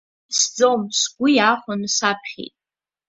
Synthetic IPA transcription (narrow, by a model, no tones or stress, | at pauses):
sd͡zomsɡʷʊjaːχʷanɨsapʰχʲḛjtʼ